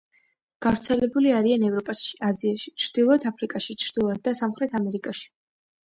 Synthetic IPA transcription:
ɡ̥avɾt̪sʰɛlɛbuliaɾianɛvɾɔpʼasʃi̥aziaʃi̥t͡ʃʰɾd̪̥ilˠɔɛd̪ʰapʰɾikʼaʃit͡ʃʰɾd̪̥ilˠɔɛd̪̚d̪asamχɾɛt̪ʰamɛɾikʼaʃi̥

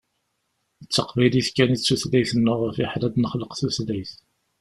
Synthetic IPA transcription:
ət͡sːəqvæjliθkænit͡sːuθlæjθənːʊʁəfɪħlæd̪nəχləqθuθlæjθ

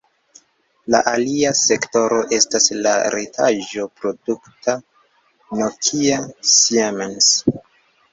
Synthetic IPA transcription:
la̰ʔaliase̞kto̞ɾo̞ʔe̞stasla̰ɾetʰa̰ʒo̞pɾo̞dukta | nokʰiasiamans

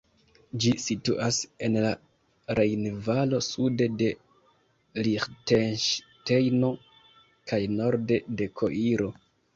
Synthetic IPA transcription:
d͡ʒisituʔase̞nla | ɾe̞jnvalo̞sude̞de̞ | liχtenʃ | te̞jno̞ | kʰajno̞ɾde̞de̞kʰo̞ʔiɾo̞

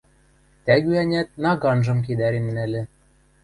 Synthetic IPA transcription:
t̪æɣyænʲæt̪̚nɑɣɑnʒɤ̆mk̬ed̪æɾenːælʲɘ̆

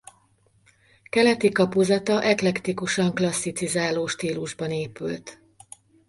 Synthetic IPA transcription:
kɛlɛt̪ikɒpuzɒt̪ɒʔɛklɛkt̪ikuʃɒŋklɒsːit̪sizaːloːʃt̪iːluʒbɒneːpylt̪

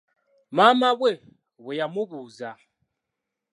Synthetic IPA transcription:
mamaβwɛ | βɔjamuβuza

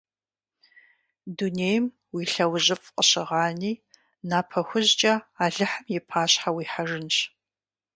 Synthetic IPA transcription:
duneːjm | wiːɬɐwʑɪfʼqʼəɕɪʁaːniː | naːpʰɐxʷʊʑt͡ʃʼɐaːɮɨħəmjɛpʰaːɕħawiːħaʐɨnɕ

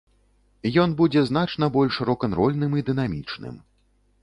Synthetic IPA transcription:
jɔnbud͡zʲɛznat͡ʂnɐbɔlʲʂɾɔkɐnɾɔlʲnɨmid̪ɨn̪amʲit͡ʂnɨ̰m

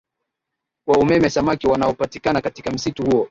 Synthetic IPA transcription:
kwaumɛmɛsamakiwanaɔpatikanakatikam̩situhuɔ

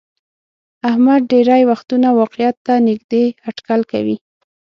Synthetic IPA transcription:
ahmad̪̚ɖeɾajwaxt̪unawɑqɪjat̪ːanɪɡd̪eaʈkalka̰wi

